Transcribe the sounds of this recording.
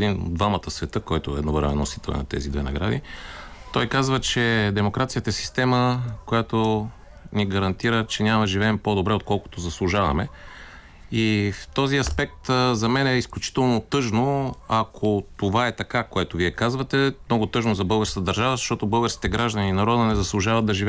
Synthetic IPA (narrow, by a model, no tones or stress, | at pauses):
d̪ino̰d̪vamət̪əsvɛt̪ɤkɔjt̪oɛ̰d̪novɾmɛ̰nːosit̪ɛlˠɛ̰nɐ̰t̪ɛ̰zid̪vɛnɐ̰ɡɾa̰d̪ḭt̪ɔjkazvət͡ʃɛd̪ɛmokɾat̪sijət̪əɛsi̥st̪ɛməkojat̪o | niɡɐɾɐnt̪iɾət͡ʃɛnʲamɐʒivɛɛmpod̪obɾɛot̪̚kɔlˠko̥t̪ozɐslˠʊʒavɐ̰mɛ | ift̪ɔziɐspɛk̚t̪zɐmɛnɛisklʲut͡ʃi̥t̪ɛlˠnot̪ɤʒnoɐkʰot̪ovaɛt̪ɐkakoɛt̪oviɛkazvɐt̪ɛmnɔɡʊt̪ɤʒnozɐbɤlˠɡəɾskət̪d̪ɐɾʒavəzɐʃt̪ɔt̪obɤlˠɡəɾskʲi̥t̪ɛɡɾaʒd̪əninɐɾɔd̪ənɛzɐslˠʊʒavɐd̪̚d̪ɐʒivɛ